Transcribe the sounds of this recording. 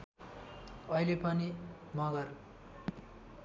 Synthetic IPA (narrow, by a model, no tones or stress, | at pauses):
ʌilepʌni | mʌɡʌr